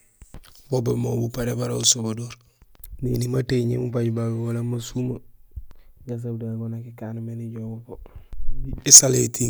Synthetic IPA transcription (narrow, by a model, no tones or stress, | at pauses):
bobemobupaɾebaɾausobadoɾ | nḭnimateɲemupaɟbabewolamasuma | ɡas̬abdaɡonakikanmeniɟobopo | esaleti